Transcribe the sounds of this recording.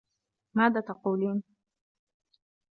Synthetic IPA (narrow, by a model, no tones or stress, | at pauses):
maðaːt̪aquːliːn